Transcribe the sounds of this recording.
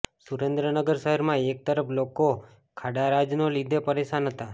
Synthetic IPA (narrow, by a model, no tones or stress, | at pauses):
suɾẽnd̪ɾənəɡəɾʃəɦəɾmãek̚t̪əɾəploko | kʰaɽaɾad͡ʒnolid̪ʱepəɾeʃanɦət̪a